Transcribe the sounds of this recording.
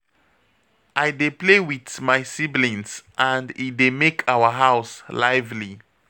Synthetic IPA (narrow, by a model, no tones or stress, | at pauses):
ʔaɪdeplewiθmaɪsiblĩnsʔãndidemekʰawəɦaʊslaɪvli